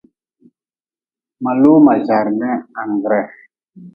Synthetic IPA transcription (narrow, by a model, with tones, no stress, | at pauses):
ma˨lo˦ma˨za˨ɾnɛ˦a˨ŋɡɾɛ˦˨